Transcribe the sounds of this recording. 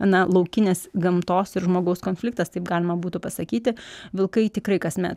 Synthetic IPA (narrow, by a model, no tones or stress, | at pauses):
ɐnɐlˠɐʊkʲɪnʲeːsɡɐmt̪oːsɪɾʒmoːɡɐʊskoːnfʲlʲɪk̚t̪ɐst̪ɐɪpɡɑːlʲɪmɐbuːt̪upɐsɐkʲiːt̪ʲɪʋʲɪlˠkɐɪt̪ʲɪkɾɐɪkɐsmʲɛ̰t̪